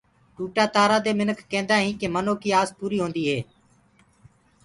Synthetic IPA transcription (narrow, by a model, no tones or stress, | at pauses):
ʈuːʈaːt̪aːɾaːd̪eːmɪnəkːẽːnd̪aːɦĩːkeːmənoːkiːaːzpuːɾiːɦõːnd̪iːɦeː